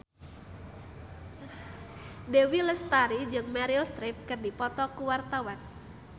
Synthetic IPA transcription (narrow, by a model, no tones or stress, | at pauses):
dewilɛst̪aɾid͡ʒɨŋmaɾilst̪ɾip̚kɨrdipɔt̪ɔkuwart̪awan